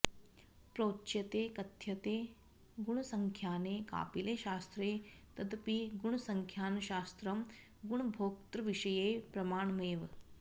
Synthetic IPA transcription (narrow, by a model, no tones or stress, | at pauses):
pɾoːtːʃjɐt̪eːkɐt̪jɐt̪eː | ɡuɳ̃ɐsɐŋkʰjaːneːka̰ːpileːʃaːst̪ɾeːt̪ɐd̪piɡuɳ̃ɐsɐŋkʰjaːnɐʃaːst̪ɾɐm | ɡuɳ̃bʱoːk̚t̪ɾɐʋiʃɐjeːpɾɐmaːɳmeːʋ